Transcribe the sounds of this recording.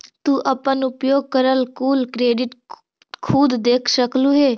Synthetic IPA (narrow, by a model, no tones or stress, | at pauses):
t̪uʔəpənʊpjoːɡ̚kəɾəlkuːlkɾeːɖɪʈ | kʰuːd̪d̪eːkʰsəkluɦeː